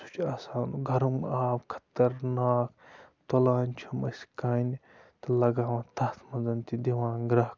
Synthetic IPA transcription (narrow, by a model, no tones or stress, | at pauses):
su̥t͡ʃʰaːsaːnuɡʱɐɾɐmaːwkʰɐ̥t̪ɐɾnaːkt̪olaːnʲt͡ʃʰɐmɐsʲkaːni | t̪ɐlɐɡaːʋãːt̪ʰɐt̪ʰmɐnzɐnt̪id̪iʋãːnɡɾɐɦ